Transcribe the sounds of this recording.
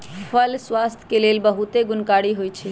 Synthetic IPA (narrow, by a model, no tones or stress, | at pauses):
pʰəlswast̪ʰkelelbəɦut̪eɡʊnkaɽiɦojt͡ʃʰi